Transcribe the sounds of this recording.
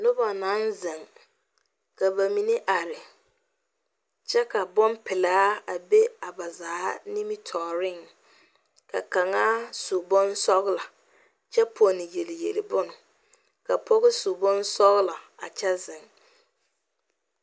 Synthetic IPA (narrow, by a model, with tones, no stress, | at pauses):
nʊ˦ba˨na˦nzɪ˨ŋ | ka˨ba˨mi˨nɪ˦ʔa˨ɾɪ˨ | t͡ʃɛ˦ka˨bɔ˦mpɪ˨laː˦a˨be˦a˨ba˨zaː˨˦ni˦mi˦tʰɔː˨ɾɪ˦ŋ | ka̰˨ka˨ŋaː˦sʊ˨bɔ˦n˦sɔ˦ɣɪ˦la˨ | t͡ʃɛ˦pʰo˨nɪ˨je˨lɪ˨jḛ˨lɪ˨bʊ˦nʊ˨ | ka˨pɔ˦ɣɪ˦sʊ˨bɔ˦nsɔ˦ɣɪ˦la˨a̰˨t͡ʃɛ˦zɪ˨ŋ